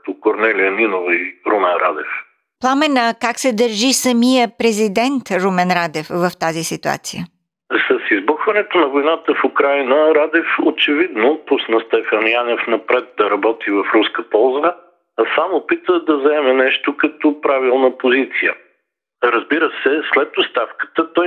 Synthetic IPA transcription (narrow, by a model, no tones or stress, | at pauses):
t̪okoɾnɛliəninovəiɾomɛnɾa̰d̪ɛf | plˠamɛnəkaksɛd̪ɐɾʒisɐmijəpɾɛzid̪ɛnt̪ɾumɛnɾad̪ɛfvɐft̪azisit̪ua̰t̪sijə | sɐsizboxvɐnɛt̪onɐvojnat̪əfukɾajnəɾad̪ɛfot͡ʃɛvid̪nopusnəst̪ɛfanjanɛfnɐpɾɛt̪̚d̪ɐɾɐbɔt̪ivɐfɾuskəpɔlˠzəː | samopit̪əd̪ɐzɐɛmɛnɛʃt̪okɐt̪ɔpɾavilˠnəpozit̪sijə | ɾəzbiɾəsɛslɛt̪ost̪afkə̥t̪ət̪ɔj